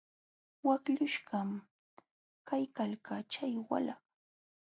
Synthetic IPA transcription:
wakʎʊʃɢɑm | kajkalkat͡ʃajwa̰lɑχ

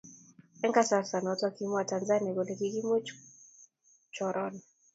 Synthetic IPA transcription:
ɛŋkasasanaɔtuwakimɔwatanzaniakɔlɛkikimɛ | t͡ʃɔɾɔnɛ

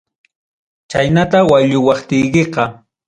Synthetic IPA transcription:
t͡ʃajnat̪awaʎʊwɑχt̪ɪjkeqɑ

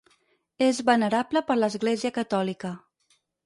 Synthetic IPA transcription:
ezβənəɾabləpəɾləzɣleziəkət̪ɔlikə

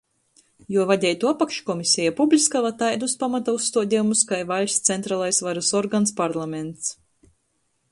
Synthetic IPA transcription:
juɔvad̪ʲɛjt̪uapakʃkɔmisʲɛjapublʲiskavat̪ajd̪uspamat̪ausːt̪uɔd̪ʲɛjumuskajvaʎʲst̪sɛnt̪ɾaːlˠajsvaɾasɔɾɡanspaɾlˠamʲent̪s

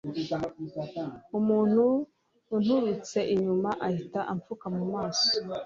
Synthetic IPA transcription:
umuːn̥huː | n̥huβit͡se̞ʔiɲumaʔahitaʔaɱfukamumaːso̥

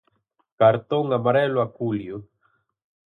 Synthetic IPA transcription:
kaɾt̪oŋamaɾɛloakulju

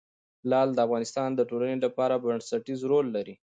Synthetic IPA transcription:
lɑld̪əafɣɑnɪst̪ɑnd̪əʈolanelapɑɾabaɳsaʈizɾolːaɾi

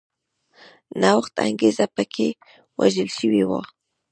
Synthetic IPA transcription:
nawaxt̪a̰ŋɡezapəkʰe | wa̰ʒəlʃəwiwa̰

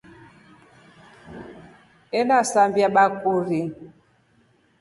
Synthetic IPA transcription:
ɛlasambjaɓakuɾi

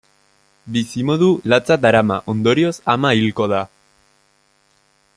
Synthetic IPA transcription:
bisimo̞ð̞ulat͡sat̪aɾama̰ʔo̞nd̪o̞ɾio̞samailko̞ð̞a

